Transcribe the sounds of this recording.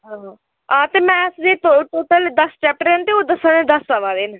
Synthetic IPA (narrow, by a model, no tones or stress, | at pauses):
ɦãː | ɦãːt̪eːm̃ɛ̃ːsd͡ʒeːt̪oʈoːʈəld̪əsʈɛːp̚ʈɾent̪eːoːd̪əsənẽd̪əslaʋaːd̪eːn